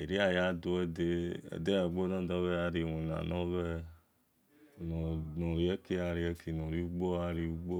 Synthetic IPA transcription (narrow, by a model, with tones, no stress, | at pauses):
e˨ɾi˦a˦ja˦do˧ɛ˦de˦ɛ̰˨de˦a˨ɡ͡bo˦nã˦dɔ˦βɛ˦ja˦ɾi˨wõ˨nã̰˨nɔ̃˦βɛ˦˨ | nɔ̃˨nɔ̃˨ɾi˨˦ɛ˦ke˧a˨ɾi˨ɛ˦kʰe˨nɔ̃˨ɾi˦u˦ɡ͡bo˦a˦ɾi˧u˦ɡ͡bo˦